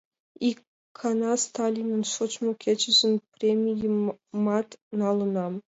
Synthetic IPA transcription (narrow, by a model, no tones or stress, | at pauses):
ikʰː | ɑnɑst̪ɑlʲinɤ̆nʂŏt͡ɕmukʲet͡ɕɘ̆ʑɘ̆npʲrʲemʲijɘmɑt̪nɑlˠɤ̆nɑm